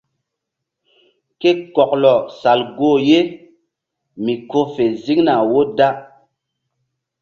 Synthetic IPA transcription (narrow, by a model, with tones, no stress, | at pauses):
ke˦kɔ˨klɔ˨sa˨lɡoː˦˨je˦ | mi˨ko˦fe˨zi˦ŋna˨wo˦da˦